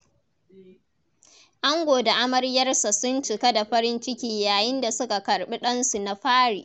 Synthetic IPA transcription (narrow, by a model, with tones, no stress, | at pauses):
ʔa˦ŋɡʷoː˨da˨ʔa˦mɐ˦rjɐ˦rsa˨sʊ˦nt͡ʃɪ˨ka˦da˨ɸɐ˦ɾɪ˦nt͡ʃɪ˦kʲiː˦jaː˨jɪ˦nda˨sʊ˦ka˨kɐ˨rɓi˦ɗɐ˦nsu˨na˨ɸaː˦ɽḭː˨ʔ